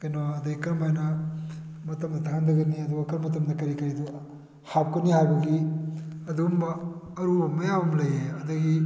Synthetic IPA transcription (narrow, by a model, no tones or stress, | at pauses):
kɐjnoɐdɐɡikɐɾmajnɐ | mɐtɐmdɐtʰandɐɡɐniɐduɡɐkɐɾmːɐtɐmdɐkɐɾikɐɾidu | hap̚kɐnihajbɐɡiɐdumbɐːɾubɐmɐjamɐmlɐjeɐdɐɡi